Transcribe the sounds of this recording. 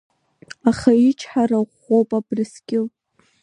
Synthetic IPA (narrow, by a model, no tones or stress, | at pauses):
aχait͡ʃʰħaraʁ | owpʼabrɨskʲɪlʼ